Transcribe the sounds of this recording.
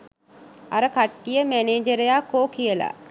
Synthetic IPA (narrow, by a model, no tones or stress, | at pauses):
aɾəkaʈːijəmæneːd͡ʒəɾejakːoːkijəla̰